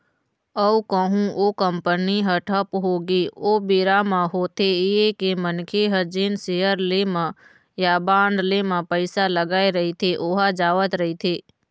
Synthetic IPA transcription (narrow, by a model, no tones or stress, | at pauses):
əukəɦũʔoːkəmpəniɦəʈʰəpɦoːɡioːbeːɾamãɦoːt̪ʰeeekemənkʰeɦəd͡ʒeːnseːəɾlemã | jabaːɳɖ̪lemãpəɪsaləɡaːeɾəɦit̪ʰeʔoːɦad͡ʒaːʋət̪ɾəɦit̪ʰeː